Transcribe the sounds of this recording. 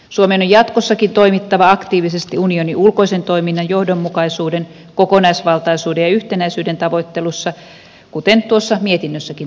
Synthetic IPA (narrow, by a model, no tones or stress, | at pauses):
suomenojɑt̪kosːɑkint̪oimit̪ːɑʋɑɑkt̪iːʋisest̪iunioniʔulkoisent̪oiminːɑjjohdomːukɑisuːden | kokonɑisʋɑlt̪ɑisuːdejɑyht̪enæisyːdent̪ɑʋoit̪ːelusːɑ | kut̪ent̪uosːɑmiet̪inːøsːækin